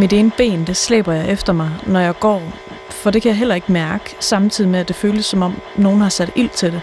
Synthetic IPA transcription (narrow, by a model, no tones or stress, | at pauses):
mid̥e̝ːnəb̥e̝̰ːnd̥eslḛːb̥ɐjɑ̈ɪʔefd̥ɐmɑ̈ɪnɒjɑ̈ɪɡ̥ɒ̰ː | fɒ̽d̥e̝kʰæjɑ̈ɦel̰ɐe̝ɡ̥əmæɐɡ̥əsɑ̈mt͡sʰið̰ˠimeæd̥e̝føːljəsːɒ̽mɒ̽m̰no̝ːn̩hɑ̈sæd̥il̰t͡sʰe̝d̥e̝